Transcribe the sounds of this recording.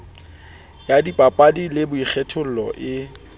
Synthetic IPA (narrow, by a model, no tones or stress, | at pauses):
jadipʼapʼadilɪbʊik͡xʰɛtʰʊl̩lɔʔɪ